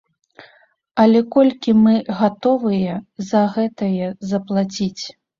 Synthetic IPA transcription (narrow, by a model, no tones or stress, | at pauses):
ɐlʲɛkɔlʲkʲimɨɣat̪ɔvɨjɛzɐɣɛt̪ɐjɛzɐplˠat͡sʲit͡sʲ